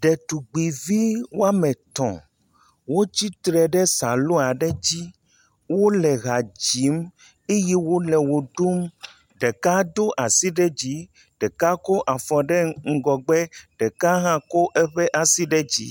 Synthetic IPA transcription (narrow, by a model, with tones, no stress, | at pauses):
ɖɛ˨t̪u˨ɡ͡bi˨vi˦wo˦a˦mɛ̃˨t̪ɔ̰̃˨ | wo˦t͡ɕi˦t̪ɾɛ˨ɖɛ˦sa˨lo˦a˨ɖɛ˦d͡ʑi˦ | wo˦lɛ˨ɣa˨d͡ʑi˨˦m | e˦jɛ˦wo˦lɛ˨wo˨ɖu˦m | ɖɛ˨ka˦d̪o˦ʔa˨si˦ɖɛ˦d͡ʑi˦ | ɖ̥ɛ˨ka˦ko˦ʔa˨fɔ˨ɖɛ˦ŋ̩˨ɡɔ˨ɡ͡bɛ˦ɖ̥ɛ˨ka˦ɦã˦ko˦ʔɛ˦ɸɛ˦ʔa˨si˦ɖɛ˦d͡ʑḭ˦